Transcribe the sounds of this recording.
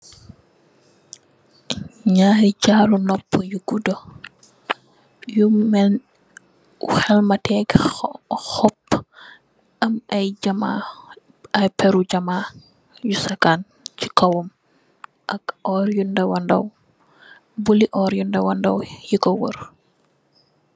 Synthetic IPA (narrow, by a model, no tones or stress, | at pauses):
ɲaːjɟaːlunɔpːəjuɡudɔ | jumɛ | uxɛlmɐtʰɛɡ | xɔp | ʔɐmɐjɟɐma̰ | ɐjpɛɾuɟɐmaː | jusɐkan | t͡ʃi̥kɐwɔm | ʔɐkɔɾjundɐwɐndɐ̰w | buliʔɔːɾjundɐwɐndɐwjikɔwə̰r